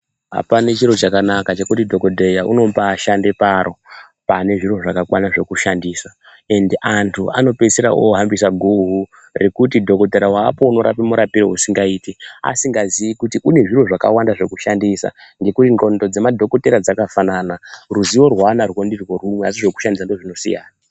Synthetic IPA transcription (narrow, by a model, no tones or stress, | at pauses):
ɦa̰panet͡ʃiɾo̞t͡ʃakanakat͡ʃe̞kutidʱo̞ko̞dʱejaʔṵno̞paːʃandepaɾʔo̞ | pane̞ʐiro̞ʐakakwanaʐe̞kuʃandiːsa | e̞ndiʔantʰua̰no̞peseɾa̰ʔo̰ɦambisaɡʱuɦu | rekutidʱo̞ko̞teɾawaːpo̞uno̞ɾa̰pimuɾapiɾeusiŋɡaiːtia̰siŋɡaziʋikutiʔune̞ʐiro̞ʐaka̰wandaʐe̞kuʃandisa̰ŋɡe̞kutino̞ndo̞d͡ze̞madʱo̞ko̞te̞ɾad͡zakafananaruziwo̞rwanaruwondirwo̞rumweasiʐe̞ku̥ʃandis̬andoʐino̞sḭja̰ːna